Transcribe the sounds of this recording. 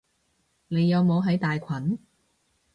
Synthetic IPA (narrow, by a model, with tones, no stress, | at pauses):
ne˨˧jːɐ˨˧wmo˨˧wɦɐ˨˥jt̪aː˨jkʷʰɐ˨˥n